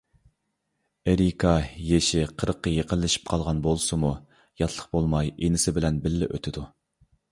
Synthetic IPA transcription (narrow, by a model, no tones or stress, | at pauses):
eɾikʰɑjeʃɪqʰəɾəqːəjeqʰəlːɪʃi̥p̚qʰɑlˠʁɑnbolˠsɨmu | jɑt̪ʰlˠəqbolˠmɑjenɪsɪbɪlɛnbɪlːɪ̰ʔø̰t̪ʰɪd̪u